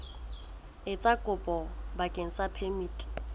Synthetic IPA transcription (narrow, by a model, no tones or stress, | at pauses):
ɪt͡sʼakʼʊpʼɔbakʼeŋ̩t͡sapʰɛmiːtʼi̥